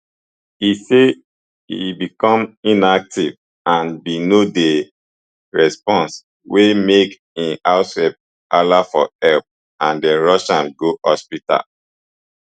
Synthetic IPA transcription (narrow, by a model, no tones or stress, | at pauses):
ise | ḭbikɔ̃mĩnak̚tiv | ãnbinode | ɹɛspɔ̃ns | wemek | ĩnaʊswɛp̚ | alafɔ̰ɛlp̚ | ãndɛɹɔʃãnɡohɔspita̰l